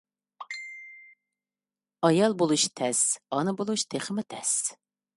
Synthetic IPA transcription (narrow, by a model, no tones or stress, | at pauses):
ɑjɑlˠbolˠuʃt̪ʰɛsɑnɨbolˠuʃt̪ʰeχəmɪt̪ʰɛs